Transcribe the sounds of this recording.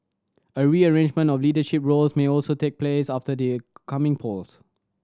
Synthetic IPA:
əɹiəɹẽnd͡ʒmə̃ntɔfliːdəʃɪpɹolsmeɔlsotʰek̚pʰlesaftədəkʰamɪ̃ŋpʰols

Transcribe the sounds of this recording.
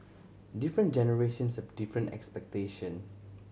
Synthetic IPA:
difɹə̃n̚d͡ʒɛnəɹeʃə̃nsɔfdifɹə̃ntɛ̰kspɛk̚teʃə̃n

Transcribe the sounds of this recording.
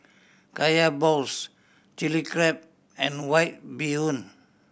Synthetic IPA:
kajabols | t͡ʃilikɾɛp̚ | ɛ̃nwajt̪̚biun

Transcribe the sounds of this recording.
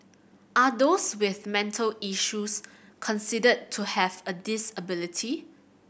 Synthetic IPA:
ʔadoswɪθmɛ̃ntʰəliʃus | kʰɔ̃nsidəd̚tʰːuhɛvədɪsəbɪlitʰi

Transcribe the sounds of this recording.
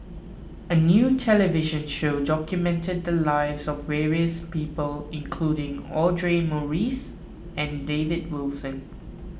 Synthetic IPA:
ənjuːtʰɛləvɪʒə̃nʃoːdɔkjumɛ̃ntəd̪̚dəlaɪvzɔvːɛːɹiəspiːpəlɪ̃nkʰluːɾɪ̃ŋɔdɹemɔɹiːs | ɛ̃ndevɪd̚wɪlsə̃n

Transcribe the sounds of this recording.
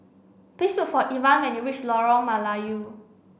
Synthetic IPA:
pistufɔʔivãnwɛ̃nuɹit͡ʃlɔɹɔmalaju

